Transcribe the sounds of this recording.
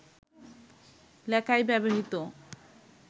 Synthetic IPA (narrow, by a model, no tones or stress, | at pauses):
lɛkajbɛboɦit̪o